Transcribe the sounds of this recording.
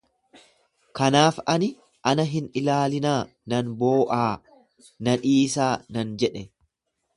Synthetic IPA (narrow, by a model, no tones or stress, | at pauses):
kɐnaːfɐnɪ | ʔɐnɐɦɪnɪlaːlɪnaː | nɐnboːʔaː | nɐᶑiːsaːnɐnd͡ʒɛᶑɛ